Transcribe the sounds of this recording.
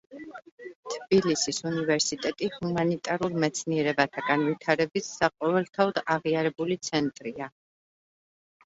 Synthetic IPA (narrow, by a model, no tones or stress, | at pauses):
t̪ʰbilisisunivɛɾsit̪ʼɛt̪ʼihumanit̪ʼaɾulˠmɛt̪sʰniɛɾɛbat̪ʰaɡanvit̪ʰaɾɛbisːaqʼɔvɛlˠt̪ʰaɔd̪aʁiaɾɛbulit̪sʰɛnt̪ʼɾia